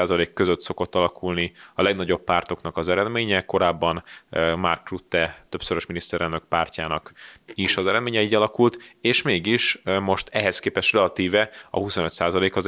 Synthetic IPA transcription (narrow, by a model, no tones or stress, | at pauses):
aːzɒleːkːø̞zøt̪so̞ko̞t̪ːɒlɒkʰulniɒlɛɡnɒɟo̞ppaːrt̪o̞knɒkɒzɛɾɛd̪meːɲɛko̞ɾaːbːɒnma̰rkːrut̪ːɛt̪ø̞psoɾo̞ʃminist̪ɛɾɛlnø̞k̚paːrcaːnɒkiʃɒzɛɾɛd̪meːɲɛiːɟɒlɒkult̪eːʃmeːɡiʃmo̞ʃt̪ɛɦɛskeːpɛʃt̪rɛɒt̪iːvɛɒ̰huso̞nøt̪saːzɒleːkɒz